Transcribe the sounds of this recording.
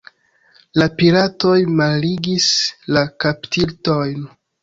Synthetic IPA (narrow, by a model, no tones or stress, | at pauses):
lapilato̞jmalːiɡislakaptʰilto̞jn